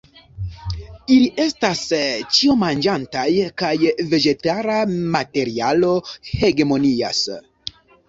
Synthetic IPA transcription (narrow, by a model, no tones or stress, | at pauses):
iliʔe̞stast͡ʃio̞mand͡ʒantajkajve̞d͡ʒe̞taɾamate̞ɾialo̞he̞ɡemo̞nia̰s